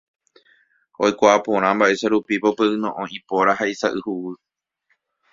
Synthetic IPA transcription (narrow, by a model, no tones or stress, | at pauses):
ojkʷaʔapõɾ̃ãmbaʔe̞saɾupipo̞peʔɨnõʔõipoɾaɦaisaʔɨhuwɨ